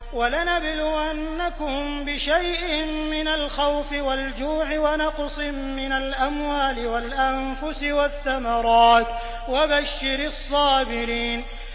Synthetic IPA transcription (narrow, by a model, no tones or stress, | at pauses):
walanabluːʔanːakʊmbɪʃajʔɪmɪnalxawfɪwald͡ʒuːʕɪwanɑqsˤɪ | mɪnalʔamwaːlɪwalʔamfʊsɪwaθːamɑɾˤɑːt̪ | wabaʃːɪɾɑsˤːɑːbɪɾiːn